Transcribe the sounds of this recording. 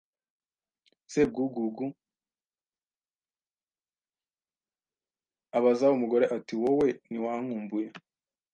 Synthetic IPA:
seb̚ɡuɡuɡu | aβazaumuɡo̞ɾeʔatiwowe̞niwaŋ̥uːmbuje

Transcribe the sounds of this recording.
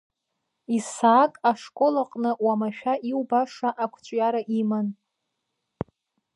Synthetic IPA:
isaːkʼaʂkʼo̞laqʼnɨwamaʃᶣaʔiwbaʂaʔakʷʰt͡ʃʷʼjaɾaʔiman

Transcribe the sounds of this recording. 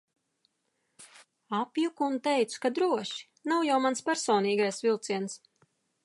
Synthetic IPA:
apjukuːnt̪ɛjt̪su̥kad̪ɾuɔʃi̥ | nawjawmanspʲæɾsɔːniːɡajsvilˠt̪siɛns

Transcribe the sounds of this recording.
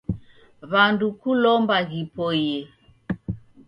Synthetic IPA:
βandukulɔmbaɣipɔjɛ

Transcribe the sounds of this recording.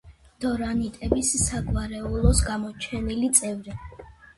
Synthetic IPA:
d̪̥ɔɾanit̪ʼɛbisːaɡvaɾɛulˠɔsɡamɔt͡ʃʰɛnilit̪sʼɛvɾi

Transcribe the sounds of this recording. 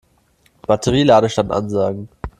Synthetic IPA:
b̥atʰəʁilaːɾəʃtantʔa̰nzaːɡŋ̩

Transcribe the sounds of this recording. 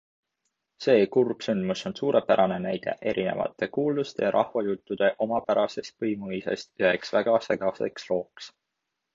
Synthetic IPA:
se̞ːkurb̥synd̪muso̞nsuːɾe̞pæɾɑne̞næjd̪̥e̞̰ʔe̞ɾʔine̞̰vɑ̰t̪ːˑe̞kuːld̪ust̪e̞jɑɾʔɑhvɑjut̪ːˑud̪̥e̞ʔo̞mɑpæɾɑse̞st̪̚pɤjmujse̞̰st̪yhe̞ksvæɡ̥ɑse̞ɡ̥ɑse̞̰kslo̞ːks

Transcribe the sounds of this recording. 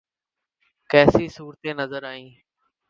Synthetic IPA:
kɛːsiːsuːɾt̪eːnəzəɾaːĩː

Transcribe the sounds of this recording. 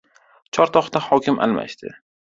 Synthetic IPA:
t͡ʃʰɒɾt̪ʰɒχt̪ahɒkʲʰɪmʔa̰lma̰ʃt̪ɪ̰

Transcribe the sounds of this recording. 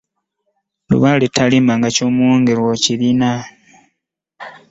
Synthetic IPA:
lṵβaletʰalimaŋɡacoːmuoːŋɡeɾwociɾina

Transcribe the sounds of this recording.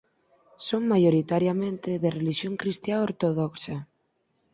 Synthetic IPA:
soŋmajoɾit̪aɾjamẽnt̪ɪðereliʃjoŋkɾist̪jaoɾt̪oðɔksa

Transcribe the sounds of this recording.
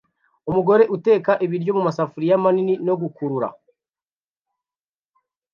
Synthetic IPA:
umuɡo̞ɾe̞ʔute̞ːkaʔiβiɾɟo̞mumasafuɾijamaninino̞ɡukuɾuɾa̰

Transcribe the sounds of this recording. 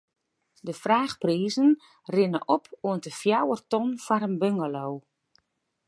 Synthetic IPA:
dəfraːxpriːzən | rɪnəʔɔpʰuəntəfjawərtɔnfaɾənbøŋɡalow

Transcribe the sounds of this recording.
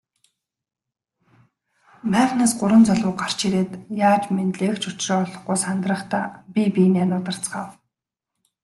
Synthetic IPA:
mæːχnaːsɢʊɾə̆nt͡sɔɮʊːɢar̥t͡ɕʰiɾeːt̪jaːt͡ɕment̪ɮeːkt͡ɕʊt͡ɕreːɔɮɞ̆χɡuːsant̪rə̆χt̪aːpʲipʲinianʊːt̪ə̆r̥t͡sɢaːw

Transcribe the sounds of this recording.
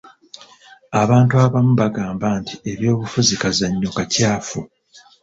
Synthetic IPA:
aβaːntuaβamuβaɡaːmbantie̞βjo̞ːβufuzikazaɲːokacaːfu

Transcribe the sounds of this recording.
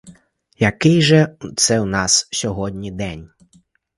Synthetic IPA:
jɐkɪjʒɛt̪sɛwnɑssʲɔɦɔdʲnʲid̪ɛnʲ

